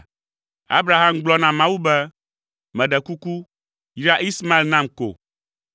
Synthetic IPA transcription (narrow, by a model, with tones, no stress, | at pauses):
a̰˦bɾa˨ɦa˦mɡ͡blɔ˦nã˨mã˦wu˦bɛ˦ | mɛ̃˨ɖɛ˨ku˦ku˦ | jɾa˦ʔi˦sma˦e˦lnã˦mko̰˨